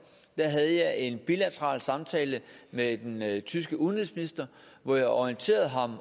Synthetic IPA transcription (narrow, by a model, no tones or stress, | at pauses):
d̥æɦæð̞ˠəjɑ̈ɪe̝nb̥ilæt͡sʰəʁɑ̰̈ːlsɑ̈mt͡sʰɛ̰ːləmed̥ent͡sʰysɡ̥əuðˠn̩ʁiðˠsminisd̥ɐ | ʋɒjɑ̈ɪɒiənt͡sʰe̝̰ːɐð̞̩ˠɦɑ̈m